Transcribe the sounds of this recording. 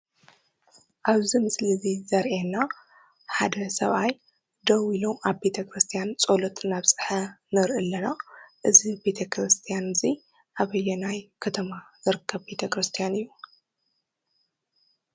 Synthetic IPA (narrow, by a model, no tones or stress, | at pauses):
ʔaβzimɨslizizɐɾʔena | ħad̪ɐsɐβaj | d̪ɐwiloaβbe̞t̪ʰɐkɾɨst̪ʰijant͡sʼolɔt̪ʼnaβsʼɨ̥ħɐnɨɾʔɨlːɐnaʔɨzibe̞t̪ʰɐkɾɨst̪ʰijanzi | ʔaβɐjːɛnajkʰɐt̪ʰɐmazɨɾɨkʰːɐβbe̞t̪ʰɐkɾɨst̪ʰijanɨjːu